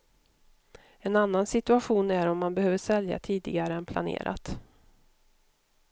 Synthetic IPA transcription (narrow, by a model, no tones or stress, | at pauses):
ɛnanːansɪt̪ɵaɧuːnæɾɔmːanbɛhøːvəʂɛlja̰t̪ʰiːd̪ɪ̰ɡaɾəɛnpʰla̰nḛːɾʔa̰t̪